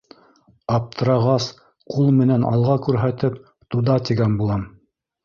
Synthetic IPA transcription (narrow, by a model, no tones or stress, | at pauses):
ɑp̚t̪ʰɤ̆ɾɑʁɑs | qulˠmɘ̆nænʔɑ̰lˠʁɑkʉɾɦæt̪ɘp̚ | t̪uðɑt̪iɡænbulˠɑm